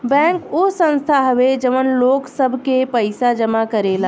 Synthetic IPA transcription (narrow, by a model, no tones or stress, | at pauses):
bɛ̃ːkosə̃nst̪ʰaɦəʋed͡ʒəʋənloːksəbʱkepəɪsad͡ʒəmakəɾelaː